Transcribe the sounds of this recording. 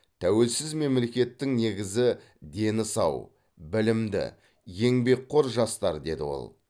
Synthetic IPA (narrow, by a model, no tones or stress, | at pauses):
t̪ʰæwe̞lsɪzme̞mle̞kʲe̞t̪ːɪŋne̞ɡʲɪzɪ | d̪e̞nɪsɑw | bɪlɪmd̪ɪ̰ | je̞ŋbe̞kqʰːo̞ɾʒɑst̪ɑɾd̪e̞d̪ɪ̰wo̞̰lˠ